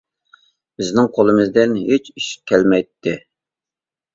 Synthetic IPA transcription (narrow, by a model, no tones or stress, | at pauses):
b̥ɪznɪŋqʰolˠɨmɨzd̪ɪnɦet͡ʃiʃkʲʰɛlmɛjt̪ʰːɪ